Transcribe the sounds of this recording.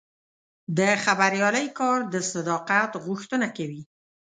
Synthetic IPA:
d̪əxabaɾjɑləjkɑɾd̪əsad̪ɑqat̪ɣʊxt̪ənakawi

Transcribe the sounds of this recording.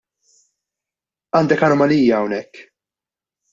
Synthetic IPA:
ɐːnd̪ɛkɐnɔmɐliːjːɐɐwnɛkː

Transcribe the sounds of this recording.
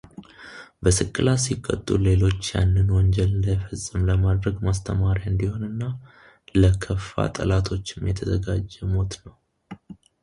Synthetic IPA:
bəsɨkʼːɨlasikʼːə̰t̪ʼːule̞lo̞t͡ʃːja̰nːɨnwɔɲd͡ʒɛlɨnd̪əjfəsʼːɨmləmad̪ɾəɡmast̪ʰəmaɾjaɨnd̪iho̞nɨnːa | ləkʰəfːa̰t̪ʼəlat̪ʰo̞t͡ʃːɪmjɛt̪ʰəzəɡad͡ʒːɛmo̞t̪nəw

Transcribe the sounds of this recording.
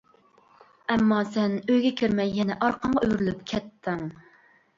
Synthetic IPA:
ɛmːɑsɛnøjɡʲɛkʲʰiɾmɛjːɛnɛʔɑɾqʰɑɴʁɑyjɾylypkʲʰɛt̪ʰːɪŋ

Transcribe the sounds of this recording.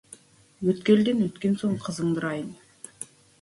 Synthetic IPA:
wɵt̪kʲe̞ld̪enwɵt̪kʲe̞nso̞ɴqʰəzəɴd̪əɾɑjən

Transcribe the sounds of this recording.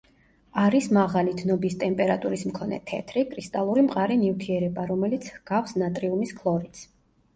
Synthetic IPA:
aɾismaʁalid̪nɔbist̪ʼɛmpʼɛɾat̪ʼuɾismkʰɔnɛ̰t̪ʰɛ̰t̪ʰɾikʼɾist̪ʼalˠuɾimqʼaɾinift̪ʰiɛɾɛbaɾɔmɛlit̪sʰhɡ̥afsnat̪ʼɾiumiskʰlˠɔɾit̪s

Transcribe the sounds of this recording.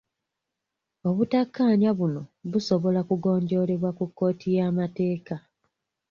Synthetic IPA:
o̞βutakːaːɲaβuno̞βuso̞βo̞lakuɡo̞ːɲɟo̞ːle̞βwakukːo̞ːtijaːmate̞ːka

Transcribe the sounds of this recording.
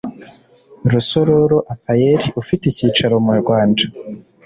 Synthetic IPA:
ɾuso̞ɾo̞ɾo̞ʔapajeɾiufiticiːt͡ʃaɾomuoɾɡwaːnda

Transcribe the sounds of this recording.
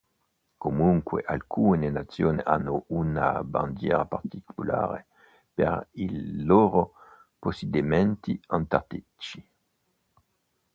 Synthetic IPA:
komuŋkweʔalkʰuːnenat̪sjoːneʔanːouna̰band̪jɛ̰ːɾapart̪ikʰula̰ːɾḛ | pḛɾiːoːɾo | posed̪imɛnt̪iant̪at̪i | t͡ʃi

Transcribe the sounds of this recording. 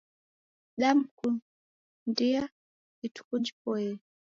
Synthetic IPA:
ɗam̩ku | ndia | itu̥kund͡ʒipɔɛ

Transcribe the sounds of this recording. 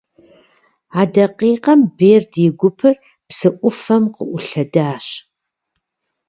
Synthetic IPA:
aːdɐqiːqɐmbeːrdjɪɡʷʊpʰɨr | psɨʔʷʊfɐmqəʔʷʊɬɐdaːɕ

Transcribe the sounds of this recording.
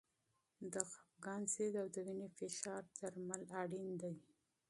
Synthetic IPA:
d̪əxafɡɑnsed̪awd̪əwinefɪʃɑɾd̪aɾmalaɽind̪awi

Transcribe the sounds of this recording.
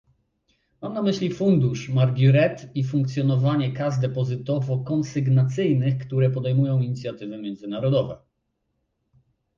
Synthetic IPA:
mamnamɘɕlʲifund̪uʂmaɾɡʲuɾɛt̪ifuŋkt̪sʲjɔnɔvaɲɛkazd̪ɛpɔzɘt̪ɔvɔkɔnsɘɡnat̪sɘjnɘxkt̪uɾɛpɔd̪ɛjmujɔ̃w̃iɲit̪sʲjat̪ɘvɘmʲjɛnzɘnaɾɔd̪ɔvɛ̰

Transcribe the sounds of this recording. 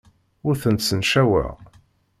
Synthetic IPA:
ʊɾθənt̪sənʃæwə̰ʁ

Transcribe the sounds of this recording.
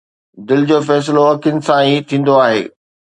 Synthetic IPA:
d̪ɪlɪd͡ʑoːfɛːs̬ɪloɐkʰɪənɪ̆sãiːt̪ʰĩːn̆d̪oaːɦḛː

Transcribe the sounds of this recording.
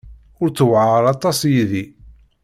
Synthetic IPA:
ʊɾt͡sːəwʕəɾˤɑt̪ˤɑsjiði

